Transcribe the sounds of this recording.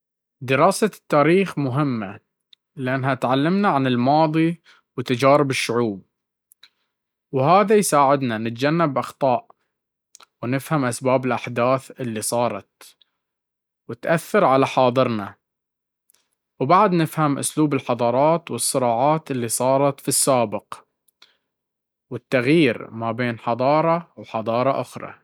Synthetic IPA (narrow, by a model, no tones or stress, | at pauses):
d̪ɪɾɑːsat̪ːaːɾiːxmʊɦɪmːa | lɪʔanːɦat̪ʕalːɪmnaʕanɪlmɑːðˤi | wɪt̪ːad͡ʒaːɾɪbɪʃːʊʕuːb̚ | whaːðajsaːʕɪd̪nanɪt̪d͡ʒanːabʔɑxt̪ˤɑːʔ | wnɪfhamʔasbaːbɪlʔaħd̪aːθʔɪlːisˤɑːɾˤɑ̰t̪̚ | wɪt̪ʔaθːɑɾʕalaħɑːðˤɨɾna | wbaʕd̪nɪfhamʔʊ̰sluːbɪlħɑðˤɑːɾˤɑːt̪wɨsˤːɨɾɑːʕaːt̪ʔɪlːiːsˤɑːɾˤɑt̪fisːaːbɪq | wɪt̪ːaɣjiːɾmabeːnħɑd̪ˤɑːɾˤɑwħɑd̪ˤɑːɾˤɑʔʊxɾˤɑ̰